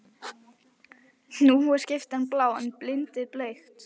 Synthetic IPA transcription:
nuhuḁscɪft̪anːplaːwanplɪnt̪ɪðplejxt̪

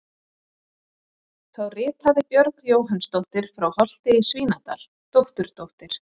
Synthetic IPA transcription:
θawrɪːt̪haðɪpjœɾkjoːwɦanst̪owht̪ɪɾ̥fɾawhɔl̥t̪ɪisviːnat̪a̰l̥ | t̪owht̪ʏɾ̥t̪owht̪ɪɾ̥

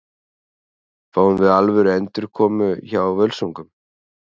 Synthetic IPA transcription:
faːwnvɪðalvɛɾɛnt̪ɪɾ̥kʰɔːmʏçawawvœlsowŋkʏm

